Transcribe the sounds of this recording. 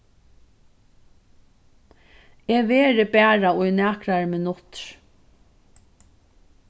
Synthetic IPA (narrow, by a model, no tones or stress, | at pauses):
eːʋeːɾɪbæːɹaʊjnæːkɾaɹmɪnʊt̪ɾ